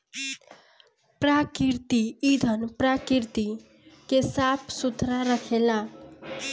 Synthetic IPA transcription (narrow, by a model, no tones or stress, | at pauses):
pɾakiɾt̪iːd̪ʱənpɾakiɾt̪i | kesapʰsut̪ɾaɾəkʰela